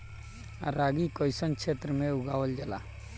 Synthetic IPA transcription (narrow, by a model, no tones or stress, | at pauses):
ɾaːɡikɔjsənkt͡ʃʰeːt̪ɾəmẽʊɡaːwəld͡ʒəla̰ː